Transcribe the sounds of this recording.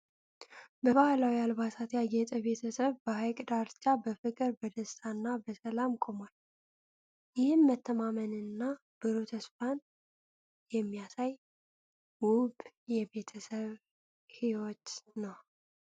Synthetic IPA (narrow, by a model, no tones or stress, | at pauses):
bəβahlawialβat̪ʰat̪jajɛt̪ʼəβe̞t̪ʰəsəβbəhajkʼd̪aɾt͡ʃʼabəfɨkʼɨɾbəd̪əst̪ʰʼanːabəsəlamkʼo̞mal | jɪhɨnmət̪ʰːəmamənɨnːa | b̥əɾot̪ʰəsfan | jɛmːijasaj | wʊb | jɛbe̞t̪ʰəsəβ | hiwot̪nəw